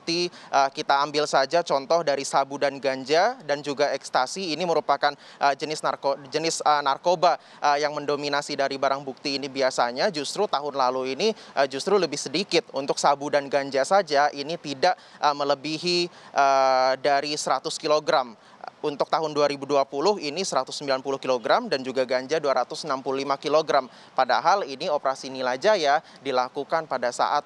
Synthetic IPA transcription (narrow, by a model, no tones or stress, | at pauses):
k̚t̪iʔəkit̪aːmbɪlsad͡ʒat͡ʃɔnt̪ɔhdaɾisabudanɡaɲd͡ʒadand͡ʒuɡaɛkst̪asiːniməɾupakan | ʔəd͡ʒənɪsnakod͡ʒənɪsənarkoba | ʔəjaŋməndominasidaɾibaɾaŋbuk̚t̪iːnibiasaɲad͡ʒust̪ɾut̪aɦʊnlaluiniʔəd͡ʒust̪ɾuləbɪhsədikɪt̪̚unt̪ʊksabudanɡaɲd͡ʒasad͡ʒaʔinit̪idaʔʔəmələbiɦiʔədaɾisəɾat̪ʊskiloɡɾam | unt̪ʊk̚t̪aɦʊnduaɾibuduapulʊɦinisəɾat̪ʊsːəmbilanpulʊhkiloɡɾamdand͡ʒuɡaɡaɲd͡ʒaduaɾat̪ʊsnampululimakiloɡɾam | padaɦaliniopəɾasinilad͡ʒaja | dilakukanpadasa̰ʔat̪̚